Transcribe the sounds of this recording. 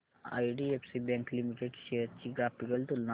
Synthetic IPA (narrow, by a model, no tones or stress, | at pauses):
a̰ːiɖiepsibɛ̃ŋklimiʈeɖʃet͡ʃiɡɾapikəlt̪ulna